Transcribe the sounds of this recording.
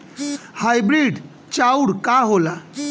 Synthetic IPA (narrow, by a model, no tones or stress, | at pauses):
hajbɾiɖ | t͡ɕauɽkaɦola